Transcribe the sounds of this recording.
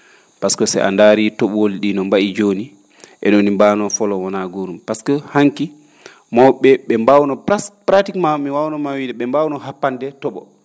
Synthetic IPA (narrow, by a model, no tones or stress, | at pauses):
paskɔsɛ̰ʔa̰ndaːɾitɔɓwoliɗinɔmbaʔid͡ʒoni | ʔɛ̰ɗɔnimbaːnɔfɔlɔwɔnaɡoɾumpaskɔhaŋki | mɔwɓɛɓɛmbawnɔpɾatikmamiwawnɔmawidɛɓɛmbawnɔɦapːandɛtɔɓɔ̰